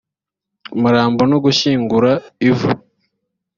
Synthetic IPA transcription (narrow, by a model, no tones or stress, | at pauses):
muɾaːmbonoɡuʃiːŋɡuɾaivu